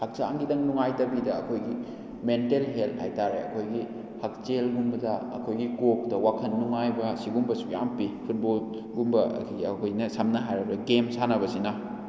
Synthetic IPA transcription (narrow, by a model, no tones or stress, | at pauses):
hak̚saa̰ŋɡidɐŋnuŋajtɐbidɐːkʰojɡi | mentelɦelt̚ʰha̰jtaɾeɐ̰kʰojɡi | hɐk̚t͡ʃelɡumbɐdɐɐkʰojɡikok̚dɐwakʰɐnːuŋajbɐsiɡumbɐsuja̰mpipʰut̚bol | ɡumbɐ̰ɐkʰojnɐsɐmnɐɦajɾɐbɾɐɡemsanɐbɐsinɐ